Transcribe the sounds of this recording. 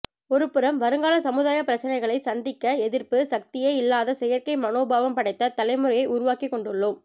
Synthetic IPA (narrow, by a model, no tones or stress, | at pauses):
ɔɾɯpːɯɾɐmʋɐɾɯŋɡaːlɐsɐmɯðaːjɐpːɪɾɐt͡ʃːɐnɐɪɣɐɭɐɪsɐnd̪ɪkːɐɛðɪɾpɯsɐk̚t̪ɪjeːɪlːaːðɐsɛjɐɾkɐɪmɐnoːbaːʋɐmpɐɽɐɪt̪ːɐt̪ɐlɐɪmɯɾɐjɐɪʔʊɾʊʋaːkikːɔɳɖɯɭːom